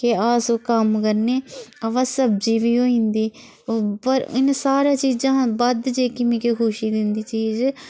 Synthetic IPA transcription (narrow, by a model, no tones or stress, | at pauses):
kɪaːsoːkəmkəɾneːəʋasəb̚d͡ʒiːʋiːɦoːĩːnd̪iː | pəɾɪ̰nsaːɾaːt͡ʃiːd͡ʒãːbəd̪d͡ʒeːkɪmikekʰʊːʃiːd̪ɪnd̪iːt͡ʃiːd͡ʒ